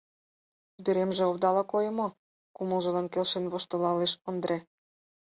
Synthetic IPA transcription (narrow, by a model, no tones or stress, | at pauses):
t̪yd̪ə̆ɾemʒĕoβd̪ɑlɑkojɤ̆mo | kumə̆lʒɤ̆lɑnkelʃenβoʃt̪ɤ̆lɑleʃə̆nd̪ɾe